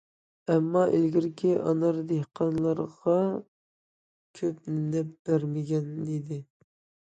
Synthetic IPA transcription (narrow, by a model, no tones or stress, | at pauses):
ɛmːɑʔelɡʲɪɾkʲʰiʔɑnɑɾd̪ehqʰɑnlˠɑɾʁɑ | kʲʰøp̚nɛp̚b̥æɾmɪɡʲɛnid̪ɪ